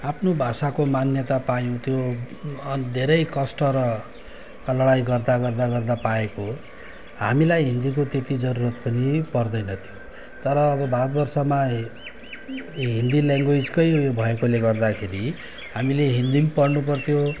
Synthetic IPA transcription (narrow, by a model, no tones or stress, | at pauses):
apʰnobʱasakomanjʌt̪apajũt̪ʰjo | d̪ʱeɾʌjkʌsʈʌɾʌ | lʌɽajɡʌrd̪aɡʌrd̪aɡʌrd̪apaeko | ɦamilajɦind̪ikot̪et̪id͡zʌɾuɾʌt̪̚pʌnipʌrd̪ʌjnʌt̪ʰjo | t̪ʌɾʌːbʌbaɾʌt̪bʌrsʌma | ɦind̪ilaŋɡoid͡zkʌjjobʱʌekoleɡʌrd̪akʰeɾi | hamileɦind̪impʌrnup̬ʌrt̪ʰjo